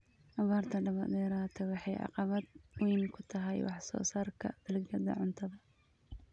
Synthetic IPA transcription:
ʔɐβaːrt̪ʰɐɖɐβa̰ːd̪ɛːɾaːt̪ʰɛwɑħɑjʕɑ̰qɑβɐd̪wijnkʰʊt̪ʰɐɦɛjwɑ̰ħsɔ̰ːsaːrkʰɐ̰d̪̥ɐlɡɐd̪ɐ̰ʕʊnt̪ʰɐðɐ

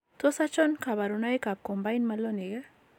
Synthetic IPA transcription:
t̪osat͡ʃonkʰabaɾunajkab̚kombajnmɐlːoneɡa

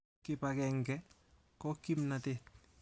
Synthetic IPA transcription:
kɪpakɛŋɡɛ | kɔkimnatet

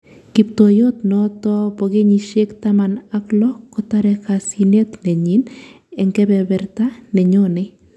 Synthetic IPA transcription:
kip̚t̪ojot̪nɔt̪ɔpɔɡeɲiʃekt̪amanaklɔkɔt̪aɾɛkasinet̪nɛɲin | ɛŋɡɛbɛbɛɾtanɛɲonɛ

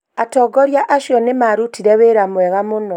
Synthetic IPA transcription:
atɔɡɔɾjaʔaʃjɔnemaɾutiɾeβeɾamwɛɣamunɔ

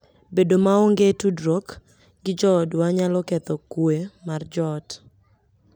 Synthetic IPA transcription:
bedomaoŋɡetudɾok | ɡɪd͡ʒɔdwaɲalɔkɛt̪ɔkwemard͡ʒɔd

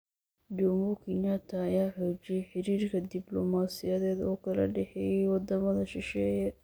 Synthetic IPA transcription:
d͡ʒɔmʊkʰinat̪ʰɐːjaːħɔːt͡ʃɪjɛjħɪɾiːrkʰɐd̪ɪblɔmaːsɪjɐðɛːd̪ɔːkʰɐlɐ̰ɖɛħɛjɛjwɑd̪ɐmɐðɐʃɪʃɛːjɐ

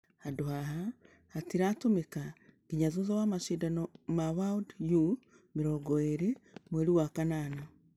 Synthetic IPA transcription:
haduahaː | tiɾatomekaɡ̥iɲazuzawamaʃiːdanomaβaudju | miɾoɡoeɾemweɾiwakanano

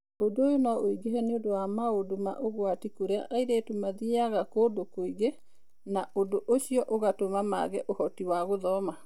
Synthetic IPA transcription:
odojonɔoiɡehɛneodowamaodoma̰ʔoɣwatikoɾea̰ʔaiɾeːtumaðiaɣakoːdokoiɣe | naʔodoʔoɕiɔʔoɣatomama̰ɣɛʔohɔtiwaɣoðɔːma

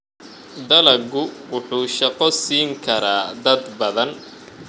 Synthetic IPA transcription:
d̪ɐlɐɡʊwʊħuːʃɐqɔsiːŋkʰɐɾaːd̪ɐd̪bɐðɐn

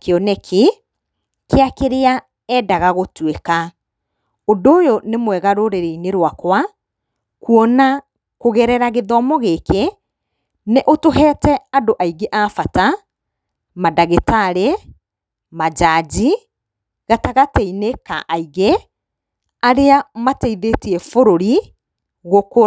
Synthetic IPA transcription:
keɔnɛkʰe | keakeɾea | ɛdaɣaɣotweka | ondoːjonemwɛɣaɾoɾeɾeineɾwakwa | kuɔna | koɣɛɾɛɾaɣeðɔmɔɣeke | neʔotoɦɛːtɛadoʔaiɡeʔafata | madaɣetaɾe | mad͡ʒad͡ʑi | ɣataɣateineka̰ʔaiɣe | aɾeamatɛiðetiɛfoɾoɾi | ɣoko

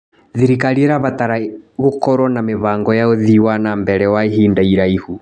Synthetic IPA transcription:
ðiɾikaɾieɾaβataɾaɣokɔɾɔnameβaːŋɡɔjaoðiwanambɛɾɛwaeɦiːndaiɾaihu

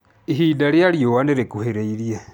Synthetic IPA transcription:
iɦiːdaljaljowaneɾekuheɾeiɾja

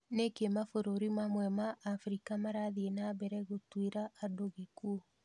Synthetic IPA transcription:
nekemafoɾoɾimamwɛmaʔːfɾikamaɾaðienabɛɾɛɣotweɾaʔːdoɣeku

